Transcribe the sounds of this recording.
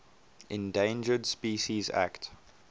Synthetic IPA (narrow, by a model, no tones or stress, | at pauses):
ʔɪ̃ndẽɪ̃nd͡ʒədspiːʃizæ̰kt